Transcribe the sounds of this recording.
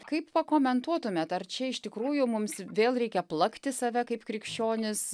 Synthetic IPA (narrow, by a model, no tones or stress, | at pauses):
kɐɪppɐkoːmʲɛnt̪uɔt̪ʊmʲɛt̪ɐrt͡ʃʲɛɪʃt̪ʲɪkɾuːjʊmʊmsʋʲeːlˠɾʲɛɪkʲɛplˠɐkt̪ʲɪsɐʋʲɛkɐɪpkɾʲɪkʃʲt͡ʃʲoːnʲɪs